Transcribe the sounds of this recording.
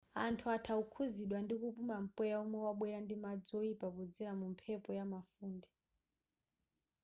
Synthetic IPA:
antʰuatʰaukʰuziɗwandikupumam̩pɛjaumwɛwaɓwɛɾandimad͡zɔipakud͡zɛɾamumpʰɛpɔjamafuːndɛ

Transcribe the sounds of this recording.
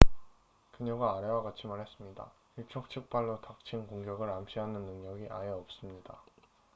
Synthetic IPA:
kɯɲʌɡaːɾewaɡat͡ɕʰimaɭhe̞s͈ɯmɲida̰ | iɭt͡ɕʰok̚t͡ɕʰɯk̚p͈aɭːotak̚t͡ɕʰinkoŋɡjʌɡɯɾamɕʰiɦanɯnːɯŋɲʌɡiʔaeʌp̚s͈ɯmɲida̰

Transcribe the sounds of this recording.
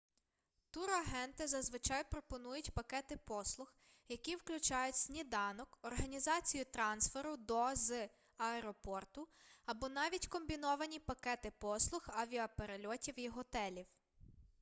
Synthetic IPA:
t̪uɾɐɦɛnt̪ɪzɐzʋɪt͡ʃɑjpɾɔpɔnujʊtʲpɐkɛt̪ɪpɔslˠʊx | jɐkʲiwklʲʊt͡ʃɑjʊtʲsʲnʲid̪ɑnɔkɔrɦɐnʲizɑt͡sʲijut̪ɾɑnsfeɾʊd̪ɔz | ɐɛɾɔpɔrt̪ʊɐbɔnɑʋʲitʲkɔmbʲinɔʋɐnʲipɐkɛt̪ɪpɔslˠʊxɐʋʲiɐpeɾelʲɔtʲiwjiɦɔt̪ɛlʲiw

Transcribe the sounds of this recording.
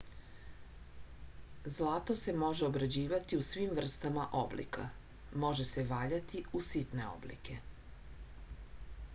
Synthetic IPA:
zlˠaːt̪o̞se̞mo̞ʒe̞o̞bɾad͡ʑiːʋat̪iusʋimvr̩st̪amaʔo̞blḭkʰa̰ | mo̞ʒe̞se̞ʋaːʎat̪iusit̪ne̞o̰blḭke̞

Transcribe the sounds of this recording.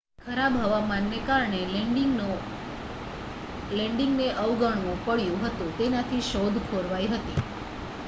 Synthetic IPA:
kʰəɾabɦəʋamanːekaɾɳe | lɛ̃ɳɖɪŋɡneʔəʋɡəɳmõpəɭjũɦət̪ũt̪enat̪ʰiʃod̪ʱkʰoɾʋajɦət̪ḭ

